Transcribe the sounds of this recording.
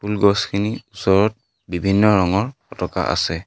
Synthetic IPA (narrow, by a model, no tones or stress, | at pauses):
pulɡɔskʰiniusɔɹɔt̚ | bibʱinːɔɹɔŋɔɹɔtɔka̰ʔa̰sɛ